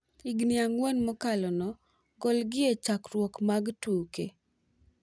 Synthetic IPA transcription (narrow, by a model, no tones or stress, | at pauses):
ɪɡnɪaŋwɔnmɔkalɔnɔ | ɡɔlɡɪet͡ʃakɾwɔkmaɡtukḛ